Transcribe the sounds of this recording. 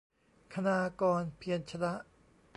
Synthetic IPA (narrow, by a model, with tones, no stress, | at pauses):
kʰa˧naː˧kɔː˧npʰi˧ənt͡ɕʰa˧na˦˥ʔ